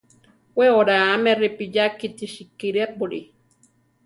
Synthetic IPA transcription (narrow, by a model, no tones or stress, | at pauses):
weoɾaːmeripijakit̪iʃikːiɾiapuɾḭ